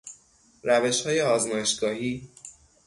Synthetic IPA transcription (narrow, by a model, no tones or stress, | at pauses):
ɾæve̞ʃhɒːje̞ɒːzmɒːjeʃɡ̥ɒːɦiː